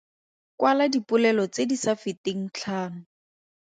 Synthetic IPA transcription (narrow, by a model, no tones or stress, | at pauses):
kwaladipʊlɛlɔt͡sedisafɪteŋ̩t͡ɬʰaːnʊ